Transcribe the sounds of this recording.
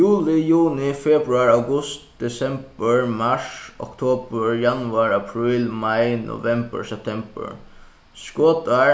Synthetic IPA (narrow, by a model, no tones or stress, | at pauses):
juːlɪjuːnɪfɛbɾʊaɹawɡʊst̪̚d̪̥ɛsɛmbəɹmaʂɔ̰kt̪ʰoːbəɹjanʊaɹapʰɹiːlmajnʔɔ̰vɛmbə̰ɹsɛp̚t̪ʰɛmbə̰ɹ | skoːt̪a